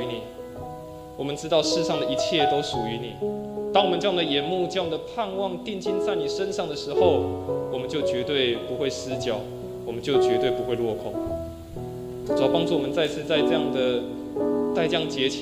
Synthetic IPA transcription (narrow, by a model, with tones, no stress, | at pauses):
ni˨˩ | wɔ˨˩mə˨nʈ͡ʂɻ̩˥t̪ɑ˥˧ʊʂɻ̩˥˧ʂɑ˥˩ŋd̪ə˩i˧˥t͡ɕʰjɛ˥˨t̪o˥ʊʂu˨˩y˧˦ni˨˩t̪ɑ˥ŋwmə˨nʈ͡ʂɤ˥˧jɑ˥ŋd̪ə˩jɛ˨˩˦nmu˥˧ʈ͡ʂɤ˥˧jɑ˥˩ŋd̪ə˩pʰa˥˧nwɑ˥˧ŋt̪i˥˧ŋt͡ɕi˥˧nt͡sa˥˩ɪni˨˩ʂə˦nʂɑ˥˩ŋd̪ə˩ʂɻ̩˧˥xo˥˨ʊwɔ˨mə˨˦nt͡ɕjo˥˩ʊt͡ɕɥɛ˧˥t̪we˥˩ɪpu˧˥xwe˥˩ɪsɹ̩˥˦t͡ɕjɑ˨˩˦ʊ | wɔ˨˩mə˨˦nt͡ɕjo˥˩ʊt͡ɕɥɛ˧˥t̪we˥˩ɪpu˧˥xwe˥˧ɪlwɔ˥˧kʰɔ˥˩˦ŋ | t͡sɑ˨˩ʊpɑ˥ŋt͡su˥˩wɔ˨mə˦nt͡sa˥˧ɪt͡sʰɹ̩˥˧t͡sa˥˧ɪʈ͡ʂɤ˥˧jɑ˥˩ŋd̪ə˩ | t͡sa˥ɪʈ͡ʂjɑ˥˩ŋə˩t͡ɕjɛ˧˥t͡ɕʰ